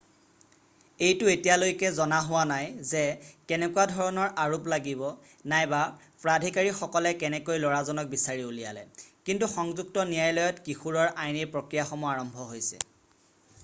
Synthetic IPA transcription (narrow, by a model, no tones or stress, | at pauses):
ejtʊetijalojkɛzɔnaɦʊwanajzɛkɛnɛkuwadʱɔɹɔnɔɹaɹuplaɡibɔ | najba | pɹadʱikaɹixɔkɔlɛkɛnɛkojlɔɹazɔnɔk̚bisaɹiulija̰lɛ̰kintuxɔŋzuk̚tɔnijajlɔjɔtkixuɹɔɹʔajniɹpɹokɹijaxɔmuɔaɹɔmbʱɔɦojsɛ̰